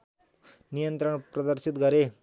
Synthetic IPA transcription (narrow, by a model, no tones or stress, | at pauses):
nijənt̪ɾəɳpɾɐd̪əɾsit̪ɡʱaɾe